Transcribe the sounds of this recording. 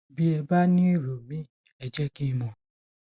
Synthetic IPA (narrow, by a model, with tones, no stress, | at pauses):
bi˦ɛ˧ba˦nĩ˦i˦˨ɾo˨mĩ˨˦˨ | ɛ˧d͡ʒɛ˦ki˦˧˦mɔ̃˧˨